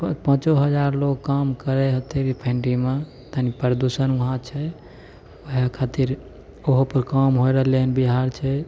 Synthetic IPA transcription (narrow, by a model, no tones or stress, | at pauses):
ppə̃t͡ʃoɦəd͡ʒaɾloɡ̚kamkəɾɛɦət̪iɾpʰẽɳɖima | t̪ənipəɾəd̪usənuɦãt͡ʃʰɛ | əɦekʰat̪iɾ | oɦpəɾkamɦojɾəɦlenbiɦaɾt͡ʃʰɛ